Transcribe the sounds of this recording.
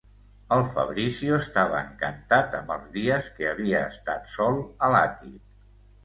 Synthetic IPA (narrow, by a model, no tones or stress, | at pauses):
əlˠfə̰βɾisjiuəst̪aβəəŋkənt̪at̪əmbə̰lˠzðiəskəəβiəːst̪at̪sɔlˠəlat̪ip